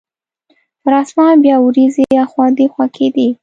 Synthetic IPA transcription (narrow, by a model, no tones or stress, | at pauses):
ɾɑsmɑbjɑwɾizejaxwɑnd̪exwakʰed̪i